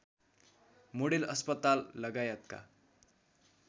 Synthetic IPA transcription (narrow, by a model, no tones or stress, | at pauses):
moɽelʌspʌt̪alːʌɡajʌt̪̚ka̰